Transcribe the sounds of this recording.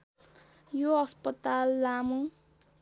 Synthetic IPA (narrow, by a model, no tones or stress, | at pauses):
joʌspʌt̪alːamu